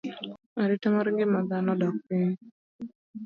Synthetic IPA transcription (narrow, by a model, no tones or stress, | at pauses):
aɾɪtɛmaɾiŋɡɪmaðanɔdak̚piɲ